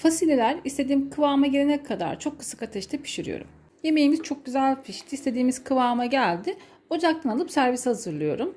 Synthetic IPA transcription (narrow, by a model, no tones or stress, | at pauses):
fasiːlʲelʲæɾist̪ʰed̪iːmkʰɯvaːmaɟelʲenɛkkʰːad̪a̰ɾt͡ʃʰokːɯ̥sḁkat̪ʰɛʃt̪ʰɛpʰi̥ʃiɾḭjo̰ɾṵm | je̞me̞jimiz̥t͡ʃʰo̞k̚ɟyzælʲfiʃt̪ʰist̪ʰe̞d̪iːmiz̥kʰɯvaːmaɟælʲd̪ɪ | o̞d͡ʒak̚t̪ʰanalˠɯpsæɾvishazɯɾlˠɯjo̞̰ɾum